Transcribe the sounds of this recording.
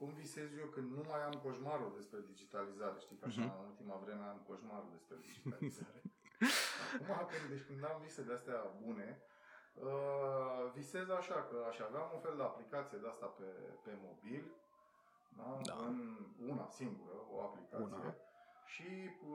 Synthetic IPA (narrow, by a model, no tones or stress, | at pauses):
kumvise̞zjokɨnd̪numajamko̞ʃmaɾud̪e̞spɾe̞d̪id͡ʒit̪alizaɾe̞ʃt̪ikaʃanult̪imavɾe̞me̞amko̞ʃmaɾṵd̪e̞spɾe̞d̪id͡ʒializaɾe̞ | akumakɨnd̪d̪ekɨnd̪amvise̞d̪east̪eabune̞ | ə | vise̞zaʃakəaʃiaveamunfe̞ld̪eaplikat̪sije̞d̪east̪apepe̞mo̞bilʲ | d̪aɨnuna̰siŋɡuɾəo̞̰aplikat̪ssḭjḛʃi